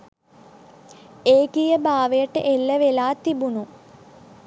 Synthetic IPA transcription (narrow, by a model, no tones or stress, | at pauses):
eːkijəbaːʋəjəʈːəʔelːəʋelaːt̪ibunu